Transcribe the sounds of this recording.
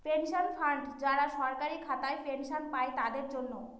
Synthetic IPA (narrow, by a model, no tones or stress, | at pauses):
penʃonfʰaɳɖd͡ʑaɽaʃɔɾkaɾikʰat̪aepenʃonpaet̪ad̪eɾd͡ʑonːo